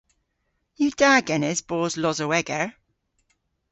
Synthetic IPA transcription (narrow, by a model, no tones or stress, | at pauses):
jəd̥aɡɛnɪzb̥oːzlɔzəwɛɡəɹ